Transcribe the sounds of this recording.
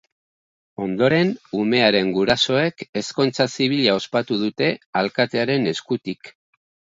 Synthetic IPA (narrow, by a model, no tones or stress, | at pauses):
o̞nd̪o̞ɾe̞nume̞aɾe̞ŋɡuɾaso̞e̞ke̞sko̞nt͡sasiβ̞iʎao̞spat̪uð̞ut̪e̞alkat̪e̞aɾe̞ne̞skut̪ik